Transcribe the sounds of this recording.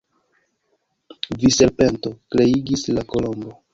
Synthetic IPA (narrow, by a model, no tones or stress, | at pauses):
vise̞ɾpe̞nto̞kɾe̞iɡislako̞lo̞mbo̞